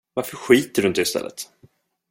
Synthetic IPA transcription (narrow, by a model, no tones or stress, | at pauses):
vaɾfœɾɧiːt̪əɖɵɪnt̪əɪst̪ɛ̰lːə̰t̪